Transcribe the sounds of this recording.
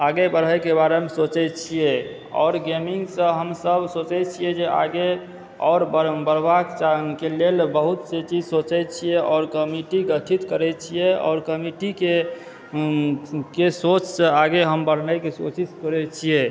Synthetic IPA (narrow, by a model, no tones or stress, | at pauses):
aɡebəɾɦəjkebaɾemesot͡ʃɛt͡ʃʰijɛ | ɔ̰ːɾɡemiŋɡsə̃ɦəmsəbʱsot͡ʃɛt͡ʃʰijɛd͡ʒea̰ɡe | ɔːɾbbəɾbakt͡ʃakelelbəɦut̪set͡ʃid͡ʒsot͡ʃɛt͡ʃʰijɛʔɔːɾkəmiʈiɡət̪ʰit̪kəɾɛt͡ʃʰijɛɔ̰ːɾkəmiʈike | kesot͡ʃsə̃aɡeɦəmbəɽ̤nəkesosiskəɾɛt͡ʃʰijɛ